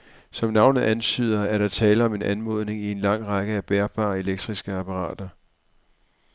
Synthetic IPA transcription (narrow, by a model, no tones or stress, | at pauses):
sɒ̽mnɑ̈ʊnð̩ˠænt͡sʰy̰ːð̞̰ˠɐæɐɾɑ̈t͡sʰɛːləɒ̽me̝nʔænmɔ̝ðˠne̝ŋie̝nlɑ̈ŋ̰ʁɑɡ̥əæb̥eɐb̥ɑ̰̈ːe̝leɡ̥̚d̥ʁisɡ̥əæpʰɑ̈ʁɑ̰̈ːd̥ɐ